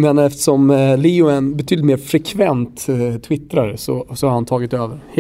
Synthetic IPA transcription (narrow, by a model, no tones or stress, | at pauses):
mɛnaɛft̪ɛ̥ʂɔmliːʊɛnbɛt̪ʰyːd̪t̪meːɾfɾɛkʰvɛnt̪t̪ʰːvɪt̪ːɾaɾsɔ̰sɔhaɾhant̪ʰɑːɡɪt̪øːvəɾh